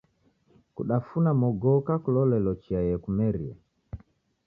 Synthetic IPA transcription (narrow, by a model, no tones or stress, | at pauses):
kṵɗafunamɔɡɔkakulɔlɛlɔt͡ʃiajɛkumɛɾḭa̰